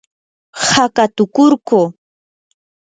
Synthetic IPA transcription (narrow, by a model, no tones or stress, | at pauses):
hakat̪ʊkʊɾkoː